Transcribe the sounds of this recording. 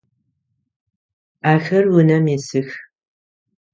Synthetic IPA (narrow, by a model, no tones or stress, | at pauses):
aːxɐrwʊnɐmeːsɨx